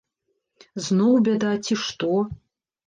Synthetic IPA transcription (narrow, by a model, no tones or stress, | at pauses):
znɔwbʲɛd̪at͡sʲiʂt̪ɔ